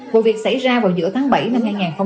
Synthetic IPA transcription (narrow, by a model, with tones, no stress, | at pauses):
vṵ˨vi˨˩ək̚sa̰˧˩jzaː˧vaː˨˩wzɨ̰˧˥ət̪ʰaː˨˦ŋɓa˧˩jna˧mhaː˧jŋaː˨˩nxə˧ŋ͡m